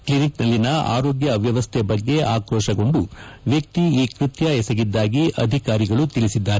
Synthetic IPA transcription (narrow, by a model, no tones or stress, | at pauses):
kliniknɐlːinɐa̰ːɾoːɡjɐʋjɐʋɐst̪ʰɛbɐɡːe̞ʔaːkɾɔːʃɐɡo̞ɳɖuʋjɐk̚t̪iiːkɾit̪jɐɛsɐɡid̪ːaːɡiʔɐ̰d̪ʱikaːɾiɡɐɭut̪ilisid̪ːaːɾe